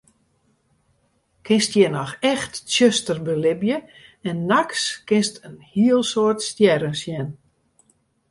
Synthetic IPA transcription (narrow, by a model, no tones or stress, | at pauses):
kʰɪnstjɛnɔxɛxtsjøstərbəlɪbjəɛnːakskɪnstʰənhiəlˠsoətstjɛɾənsjɛn